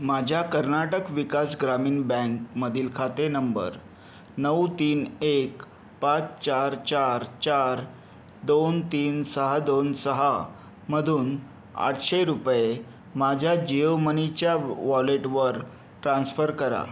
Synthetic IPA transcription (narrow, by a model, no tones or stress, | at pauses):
mad͡ʑʱjakəɾnaʈəkʋikasɡɾamiːnbɛ̃ŋkməd̪ʱiːlkʰat̪enəmbə̰ɾ | nəwt̪iːnek | pat͡st͡ɕaɾt͡ɕaɾt͡ɕaɾ | d̪ont̪iːnsəɦad̪onsəɦa | m̤əd̪ʱuːn | a̰ʈʰɕeɾupje | mad͡ʑʱjad͡ʑiomənit͡ɕjaʋɔleʈʋəɾ | ʈɾãnsfəɾkəɾa̰